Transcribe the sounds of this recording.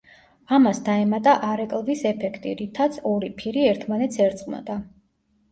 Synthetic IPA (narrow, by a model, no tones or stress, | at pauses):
amasd̪aɛmat̪ʼaʔaɾɛkʼlˠvisɛpʰɛkʰt̪ʼḭɾit̪ʰat̪sʰɔɾipʰiɾiɛɾt̪ʰmanɛt̪sʰɛɾt̪sʼqʼnɔ̰d̪a